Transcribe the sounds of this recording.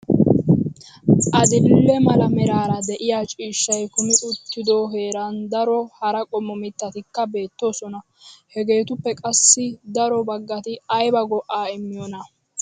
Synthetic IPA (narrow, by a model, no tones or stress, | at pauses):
ʔɐd̪ɪlːɛmɐlɐmɛɾaːɾɐd̪ɛʔɪjaːt͡ʃʼiːʃːɐjkʊmɪʔʊt̪ːɪd̪oːɦe̞ːɾɐnd̪ɐɾɔhɐɾɐkʼɔmːɔmɪt̪ːɐt̪ɪkːɐbe̞ːt̪ːo̞ːsɔnɐ | hɛɡe̞ːt̪ʊpːɛkʼɐsːɪd̪ɐɾɔbɐɡːɐt̪ɪɐjbɐɡɔʔːaːɪmːɪjɔnɐ